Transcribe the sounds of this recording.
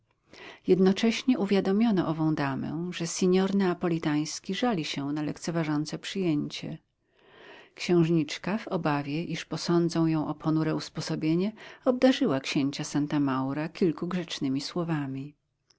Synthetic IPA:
jɛd̪nɔt͡ʂɛɕɲɛʔuvʲjad̪ɔmʲjɔnɔʔɔvɔ̃w̃d̪amɛ̰ʐɛsʲɛɲɔɾnɛapɔlʲit̪aj̃skʲiʐalʲiɕɛnalɛkt̪sɛvaʐɔnt̪sɛpʂɘjeɲt͡ɕɛ̰ | kɕɛ̃w̃ʐɲit͡ʂkavɔbavʲjɛʔiʂpɔsɔnd̪zɔ̃w̃jɔ̃w̃ʔɔpʰɔnuɾɛuspɔsɔbʲjeɲɛɔb̚d̪aʐɘwakɕeɲt͡ɕasant̪amawɾakʲilkuɡʐɛt͡ʂnɘmʲiswɔvamʲi

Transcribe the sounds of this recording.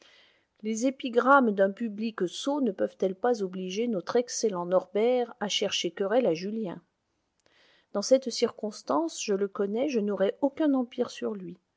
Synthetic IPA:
lezepiɡʁamd̪ɛ̃pybliksonəpœvt̪ɛlpazobliʒenɔt̪χɛkselɑ̃nɔʁbɛʁaʃɛʁʃekʲœʁɛlaʒyljɛ̃ | d̪̥ɑ̃sɛt̪siʁkɔ̃st̪ɑ̃sʒələkɔnɛʒənɔʁɛʔokʲɛ̃nɑ̃piʁsyʁlɥi

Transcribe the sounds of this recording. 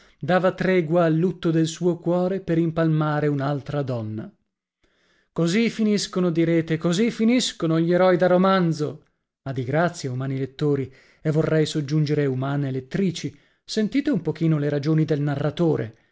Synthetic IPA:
d̪aːvat̪ɾɛːɡwaːlːut̪ːod̪elsuːokwɔːɾepeɾimpalmaːɾeunalt̪ɾad̪ɔnːa̰ | kozifiniskonod̪iɾeːt̪ekozifiniskonoʎːeɾɔjd̪aromand̪zo | ad̪iɡɾat̪sːjaumaːnilet̪ːoːɾi | evːorːɛjsod͡ʒːund͡ʒeɾeumaːnelet̪ːɾiːt͡ʃi | sent̪iːt̪eumpok̟iːnoleɾad͡ʒoːnid̪elnarːat̪oːɾḛ

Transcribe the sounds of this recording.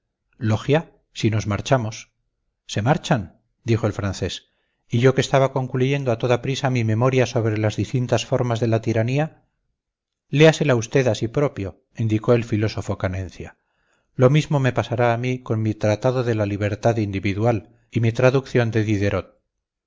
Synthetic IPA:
lo̞xja | sino̞zmaɾt͡ʃamo̞s | se̞maɾt͡ʃan | d̪ixo̞elfɾanθe̞s | iʝo̞ke̞st̪aβako̞ŋkluʝe̞nd̪oat̪o̞ðapɾisamimẽ̞mo̞ɾjaso̞βɾe̞lazðist̪int̪asfo̞ɾmazðe̞lat̪iɾania | le̞ase̞laust̪e̞ðasipɾo̞pjo̞ | ind̪iko̞e̞lfilo̞so̞fo̞kanẽ̞n̟θja̰ | lo̞mizmo̞me̞pasaɾaːmiko̞nmit̪ɾat̪aðo̞ðe̞laliβ̞e̞ɾt̪aðind̪iβiðwal | imit̪ɾaðukθjo̞nd̪e̞ðiðe̞ɾot̪̚

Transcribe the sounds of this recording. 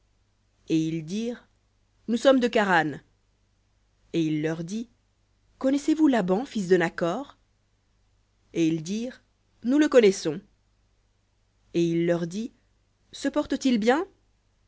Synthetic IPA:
eild̪iːʁ | nusɔmd̪əkaʁan | eilːœʁd̪i | kɔnɛsevulabɑ̃fis̬d̪ənakɔʁ | eild̪iːʁ | nuləkɔnɛsɔ̃ | eilːœʁd̪i | səpɔʁt̪ət̪ilbjɛ̃

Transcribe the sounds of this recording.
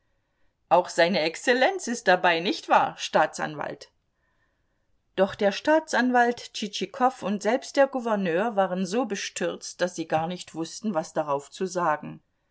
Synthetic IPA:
ʔaʊxz̥aɪnəɛkst͡selɛnt͡sɪst̚d̥abaɪnɪçtv̥aːɐʃtaːt͡sʔa̰nva̰lt | d̥ɔχd̥eːɐʃtaːt͡sʔanvaltt͡ʃit͡ʃikʰɔfʊntz̥ɛlpst̚d̥eːɐɡuvɛɐnøːɐvaːʁənzoːbəʃtʰʏɐt͡st̚d̥asz̥iːɡaːɐnɪçtv̥ʊstn̩vasd̥aʁaʊft͡suzaːɡŋ̩

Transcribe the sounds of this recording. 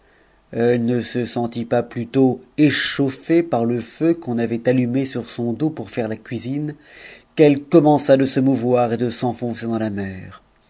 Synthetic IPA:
ɛlnəsəsɑ̃t̪ipaplyt̪oeʃofepaʁləføkɔ̃navɛt̪alymesyʁsɔ̃d̪opuʁfɛʁlakʲɥizinkɛlkɔmɑ̃sad̪əsəmuvwaʁed̪əsɑ̃fɔ̃sed̪ɑ̃lamɛːʁ

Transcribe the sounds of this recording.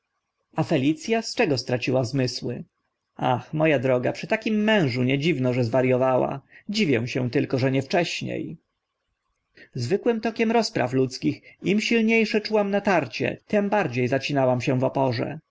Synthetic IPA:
afɛlʲit̪sʲjast͡ʂɛɡɔst̪ɾat͡ɕiwazmɘswɘ̰ | axmɔjad̪ɾɔɡapʂɘt̪akʲimːɛ̃w̃ʐuɲɛd͡ʑivnɔʐɛzvaɾjɔvawa̰d͡ʑivʲjɛw̃ɕɛ̃t̪ɘlkɔʐɛɲɛft͡ʂɛɕɲḛj | zvɘkwɘmt̪ɔkʲɛmɾɔspɾa̰flut̪skʲiximɕilɲejʂɛt͡ʂuwamnat̪aɾt͡ɕɛ̰t̪ɛmbaɾd͡ʑejzat͡ɕinawamɕɛ̃vɔpɔʐɛ̰

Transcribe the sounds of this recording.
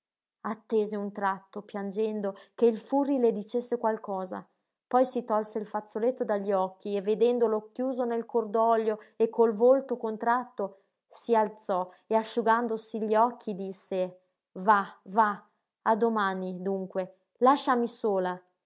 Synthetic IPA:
at̪ːeːzeunt̪ɾat̪ːopjand͡ʒɛnd̪okeilfurːiled̪it͡ʃesːekwalkɔːza̰ | pɔjsit̪ɔlseilfat̪sːolet̪ːod̪aʎːiɔkːievːed̪ɛnd̪olokjuːzonelkord̪ɔʎːoekʰːolvolt̪okont̪ɾat̪ːo | sialt̪sɔ | eaʃːuɡand̪osiʎːiɔkʰːid̪isːe | vava | ad̪omaːnid̪uŋkwe | laʃːamisoːla

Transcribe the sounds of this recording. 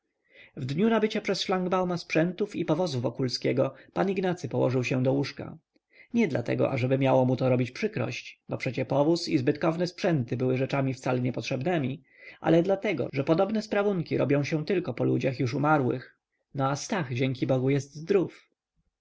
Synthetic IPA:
vd̪ɲunabɘt͡ɕapʂɛsʂlaŋɡbawmaspʂɛnt̪ufipɔvɔzuvːɔkulskʲɛɡɔpaniɡnat̪sɘpɔwɔ̰ʐɘwɕɛ̃d̪ɔwuʂka̰ | ɲɛd̪la̰t̪ɛ̰ɡɔ̰ʔa̰ʐɛbɘmʲjawɔmut̪ɔɾɔbʲit͡ɕpʂɘkɾɔ̰ɕt͡ɕbɔpʂɛt͡ɕɛpɔvusizbɘt̪kɔvnɛspʂɛnt̪ɘbɘwɘʐɛt͡ʂamʲift̪salɛɲɛpɔtʂɛbnɛmʲi | ʔa̰lɛd̪lat̪ɛɡɔ̰ʐɛpɔd̪ɔbnɛspɾavuŋkʲiɾɔbʲjɔ̃w̃ɕɛ̃t̪ɘlkɔpɔlud͡ʑaxjuʂumaɾwɘ̰x | nɔast̪aɣd͡ʑɛŋkʲibɔɡujɛst̪zd̪ɾuf

